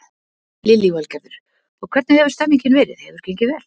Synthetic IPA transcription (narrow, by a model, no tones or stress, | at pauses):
lɪlivalcɛɾðʏɾ̥ | ɔkʰvɛɾt̪nɪhɛvʏɾst̪amːiɲcɪnvɛːɾɪ̰θhɛvʏɾ̥cʰeŋcɪvɛːl